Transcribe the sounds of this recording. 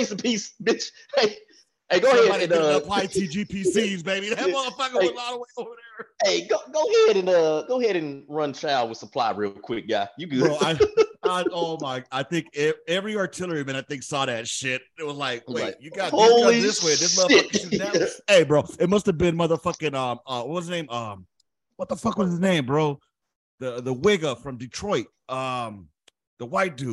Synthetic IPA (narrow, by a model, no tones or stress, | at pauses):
eɪsəpʰisbɪt͡ʃ | eɪ | eɪɡoʊɛɨ̃nʌəpʰl̥aɪtʰid͡ʒipʰisizbeɪbimʌðə˞fʌklɔɾəweɪoʊvə˞ðə˞eɪɡoʊɡoʊhɛɾɨ̃nʌɡoʊɦɛɾɨ̃nɹʌ̃nt͡ʃʰaɪwɨð̥səpʰl̥a̰ɪɹɪ̰lˠkʰw̥ɪk̚jæ̰jɨɡɹoʊaɪaoʊmaɪkaɪθɪ̃ŋkɛɛvɹiɑɹtʰɪlˠə˞imɨ̃ñaɪθɪ̃ŋksɔðɨtʃɪt̚ɨt̚wʌzlaɪk̚wetjɨɡɑɾhoʊlˠiðɪswẽɪðɪsmʌðəkizneɪbɹoʊɨt̚mʌstɨvbɨ̃nmʌðə˞fʌkɨ̃nʌ̃mʌwʌt̚wʌzənẽɪ̃mʌ̃m | wʌt̪̚ðəfʌkwʌzɨznẽɪ̃mbɹoʊ | ðɨðəwɪɡəfɹʌ̃mdɨtʰɹ̥ɔɪt̚ʌ̃m | ðəwaɪt̚d̥ʉ